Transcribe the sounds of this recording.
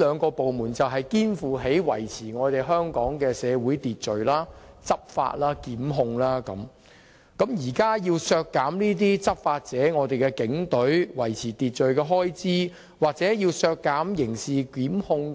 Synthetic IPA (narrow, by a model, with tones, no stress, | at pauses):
lœː˨˧ŋkɔː˧po˨wmuː˨˩nt͡sɐ˨wɦɐ˨jkiː˥nfuː˨˩ɦe˨˥jwɐ˨˩jt͡sʰiː˨˩ŋɔː˨˧t̪e˨jɦœː˥ŋkɔː˨˥ŋkɛː˧sɛː˨˧wuː˨˥jt̪iː˨t̚t͡ʃɵ˨ɥlaː˥t͡sɐ˥p̚fa̰ː˧t̚laː˥kiː˨˥mɦʊ˧ŋlaː˥kɐ˨˥m | kɐ˨˥mjiː˨˩kaː˥jiː˧wsœː˧kːaː˨˥mniː˥t̪̬iː˥t͡sɐ˥p̚faː˧t̚t͡sɛː˨˥ŋɔː˨˧t̪e˨jkɛ˧kɪ˨˥ŋt̪ɵ˨˥ɥwɐ˨˩jt͡sʰiː˨˩t̪iː˨t̚t͡ʃɵ˨ɥkɛː˧ɦɔː˥jt͡siː˥ | waː˨k̚t͡sɛː˨˥jiː˧wsœː˧kːaː˨˥mjɪ˨˩ŋsiː˨kiː˨˥mhʊ˧ŋ